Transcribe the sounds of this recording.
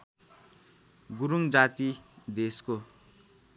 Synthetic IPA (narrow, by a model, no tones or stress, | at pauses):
ɡuɾuŋd͡zat̪id̪esko